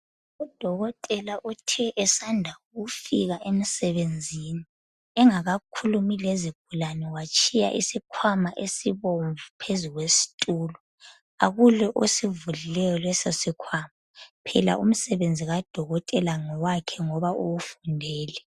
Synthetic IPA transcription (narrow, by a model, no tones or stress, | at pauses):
ud̥ʱɔɣɔtʼɛlaʔutʰɛʔɛsandʱauɣufiɣaʔemisɛβend͡zʱini | ɛŋaɣakʰulumileziɡ̥̚ʱulanɛwat͡ʃʼʰija̰ʔḭsikʰwamaʔesiβoɱvupʰezuɣwesi̥tʼuːlɔ | a̰ɣulɛʔosivulilɛjɔlwɛsesikʰwamapʰɛla̰ʔum̩sɛβend͡zʱiɣad̥ʱɔɣɔtʼɛlaŋɔwakʰɛŋɔβaʔowufundʱɛːlɛ